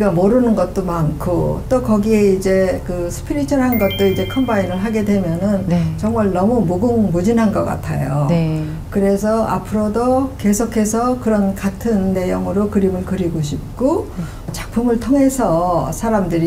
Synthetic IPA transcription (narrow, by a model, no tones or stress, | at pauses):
iɡamoɾɯnɯnɡʌt̚t͈omankʰot͈okʌɡieid͡ʑe̞kɯsʰɯ̥pʰiɾit͡ɕʰʌɾɦanɡʌt̚t͈oid͡ʑe̞kʰʌmbainɯɭɦaɡe̞dwe̞mjʌnɯnt͡ɕʌŋmaɭnʌmumoɡɯŋmud͡ʑinɦanɡʌk͈a̰tʰa̰jo | kɯɾe̞s̬ʰʌa̰pʰɯɾodoke̞sʰokʰe̞sʰʌkɯɾʌnkatʰɯnːe̞joŋɯɾokɯɾimɯɭkɯɾiɡoɕʰip̚k͈o | t͡ɕḁk̚pʰumɯɭtʰoŋɦe̞sʰʌsʰaɾamdɯɾi